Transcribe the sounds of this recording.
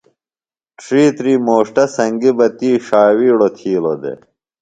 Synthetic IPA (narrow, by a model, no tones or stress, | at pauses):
ʈɾiːt̪ɾiːmoːʂʈɐsɐŋɡibɐt̪iːʂaːwiːɽot̪ʰiːlod̪ḛ